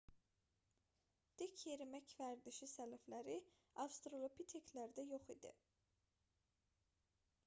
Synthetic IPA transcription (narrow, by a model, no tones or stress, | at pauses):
d̪̥ecʰjeɾimæcvæɾd̪iʃisælæflæɾi | ɑvst̪ɾolˠopʰit̪ʰekʰlæɾd̪æjoχid̪ḭ